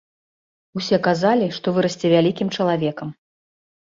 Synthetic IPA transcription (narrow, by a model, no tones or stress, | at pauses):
usʲɛkazalʲiʂt̪ɔvɨɾɐsʲt͡sʲɛvʲalʲikʲimt͡ʂɐlˠavʲɛkɐm